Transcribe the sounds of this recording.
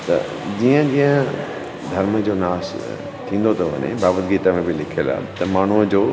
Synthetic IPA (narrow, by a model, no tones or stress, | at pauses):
t̪ɐ̰ | d͡ʑiːə̃d͡ʑĩːə̃ | d̪ʱɐɾməd͡ʑoːnaːs | t̪ʰĩːnd̪ot̪ʰɐʋɐ̰nḛ̃baːbət̪ɡiːt̪amẽbɪlɪkʰela̰ːɦt̪ɐmaːɳ̤uəd͡ʑoː